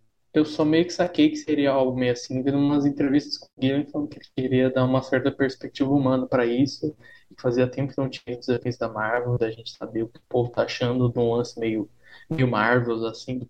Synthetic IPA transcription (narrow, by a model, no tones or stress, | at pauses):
ewsɔmejʊkɪ̥sakejkɪ̥seɾiɐawbũmejʊasĩvẽnd̪ʊũmɐzẽnt̪ɾevist̪ɐ̥skõsɪɡiɾɐ̃w̃ĩfalˠɐ̃nʊkekeɾiɐd̪aũmɐsɛɾt̪ɐpeɾspek̚t͡ʃivɐumɐ̃nɐpɾɐisʊɪkɪ̥faziɐt̪ẽpʊkɪnɐ̃w̃t͡ʃĩd̪ʊzd̪efẽsɪd̪ɐmaɾvewd̪ɪɐʒẽnt͡ʃɪ̥sabeʊkɪ̥ʊpovʊt̪aaʃɐ̃nd̪ʊd̪ũlɐ̃sɪmejʊ | mejʊmaɾvewasĩd̪ʊ